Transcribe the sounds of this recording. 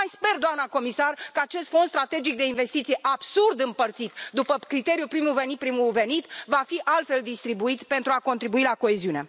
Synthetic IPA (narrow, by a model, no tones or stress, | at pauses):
majspe̞rd̪oamnəko̞misarkəat͡ʃe̞st̪fo̞nst̪ɾat̪e̞d͡ʒik̚d̪e̞inve̞st̪it̪sijeʔabsurd̪ɨmpərt̪sit̪d̪upəkɾit̪e̞ɾijupɾimuve̞nit̪̚pɾimuve̞nit̪vafiʔalt̪fe̞ld̪ist̪ɾibuit̪pe̞nt̪ɾuako̞nt̪ɾibuilako̞eziune̞̰